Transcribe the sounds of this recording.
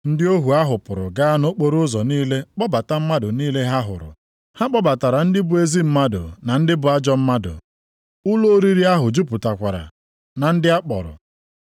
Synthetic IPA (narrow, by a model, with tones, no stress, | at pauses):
n̩˦dɪ˦o˦ɦu˨a˦ɦʊ˨pʊ˨ɾʊ̰˨ɡa˦no˦k͡po˨ɾʊ˦ʊ˦zɔ˨niː˦le˦k͡pɔ˦ba˨ta˦m̩˦ma˦dʊ˨niː˦le˦ɦa˦ɦʊ̰˨ɾʊ̰˨ | ha˦k͡pɔ˦ba˨ta˨ɾa˨n̩˦dɪ˦bʊ˨e˦zi˦m̩˦ma˦dʊ̰˨na˨n̩˦dɪ˦bʊ˨a˦d͡ʒɔ˦m̩˦ma˦dʊ̰˨ | ʊ˦lo˦ɾi˦ɾi˦a˦ɦʊ˨d͡ʒu˦pʊ˨ta˨kʷa˨ɾa̰˨ | na˨n̩˦dɪ˦a˦k͡pɔ̰˨ɾʊ̰˨